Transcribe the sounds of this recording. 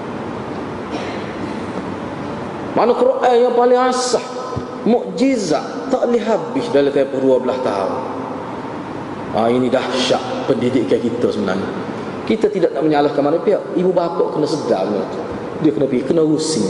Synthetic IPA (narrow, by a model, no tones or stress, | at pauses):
manəkɾoʔaljaŋpalɪŋasah | mʊʔd͡ʒiza̰ʔ | t̪aʔliɦabɪsdalit̪əmpəhduəbəlast̪a̰ʊ̰n | ʔa̰inidaʃaʔpəndidɪʔkːakit̪əsəbəna̰hni | kit̪ət̪idaʔnaʔməɲalahkanmanəpiaʔibubapəʔkənəsəda̰mənət̪u̥ | diəkənəpikənəɡusi